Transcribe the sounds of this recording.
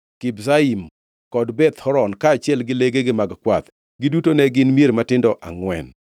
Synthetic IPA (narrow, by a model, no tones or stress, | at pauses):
kɪbzaim | kɔdbɛt̪hɔɾɔnkaːt͡ʃɪɛlɡɪleɡeɡɪmaɡkwat̪ | ɡɪdutonɛɡɪnmieɾmatɪndɔʔa̰ŋwɛn